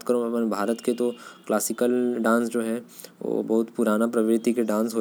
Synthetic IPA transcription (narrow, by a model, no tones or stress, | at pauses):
t̪kəɾõɐpənbʱaːɾət̪ket̪oklaːsɪkəlɖãːnsd͡ʒoːɦɛ | ʋo̰ːbɐɦʊt̪puɾaːnapɾɐʋɪɾɪt̪ikeɖãːnsɦoː